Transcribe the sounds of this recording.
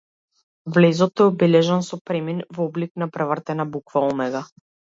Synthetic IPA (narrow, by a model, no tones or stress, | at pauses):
vlɛzɔt̪ɛɔbɛlɛʒansɔpɾɛminvɔbliknapɾɛvr̩t̪ɛnabukvaɔmɛɡa